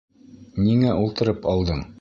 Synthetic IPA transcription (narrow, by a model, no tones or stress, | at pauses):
niŋæʔulˠt̪ɤ̆ɾɤpɑlˠd̪ɤɴ